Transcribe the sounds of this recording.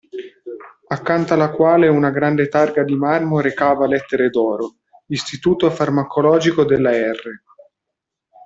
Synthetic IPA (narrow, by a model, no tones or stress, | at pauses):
akːant̪alakwaːleunaɡɾand̪et̪arɡad̪imarmoɾekaːvalɛt̪ːeɾed̪ɔːɾo | ist̪it̪uːt̪ofarmakolɔːd͡ʒikod̪elːaɛrːe